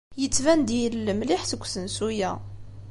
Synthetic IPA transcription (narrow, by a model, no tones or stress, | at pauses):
jət͡sːvænd̪illmlɪħsəɡʷːsənsujæ